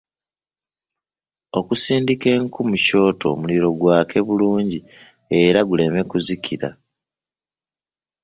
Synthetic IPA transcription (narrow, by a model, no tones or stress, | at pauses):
o̞kusiːndike̞ŋkumuco̞ːtʰo̞̰ːmuliɾo̞ɡwaːkʰe̞βuluːɲɟi | e̞ɾaɡule̞me̞kuzicʰiɾa